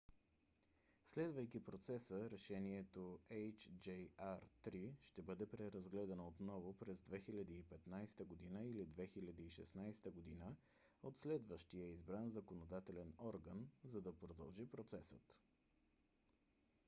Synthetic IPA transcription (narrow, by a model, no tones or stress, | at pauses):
slɛd̪vəjkipɾot̪sɛsəɾɛʃɛniɛt̪oɛjt͡ʃd͡ʒɛjaɾt̪ɾiʃt̪ɛbɤd̪ɛpɾɛɾɐzɡlɛd̪ɐnəot̪nɔvʊpɾɛzd̪vɛxilʲɐd̪iːpɛt̪najst̪əɡod̪inəilid̪vɛxilʲɐd̪iːʃɛ̰snajst̪əɡod̪inə | ot̪slɛd̪vəʃt̪ijəizbɾanzɐkonod̪at̪ɛlɛnɔɾɡənzɐd̪ɐpɾod̪ɐlˠʒipɾot̪sɛsə̰t̪